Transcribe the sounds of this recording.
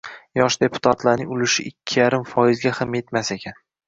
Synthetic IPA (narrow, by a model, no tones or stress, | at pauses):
jɒʃd̪e̞pʰʊ̥t̪ʰat̪laɾnɪŋʲʊlɪʃɪ̰ʔɪkʲʰːɪjaɾɪmfɒjɪzɡʲahamje̞t̪mase̞kʲʰan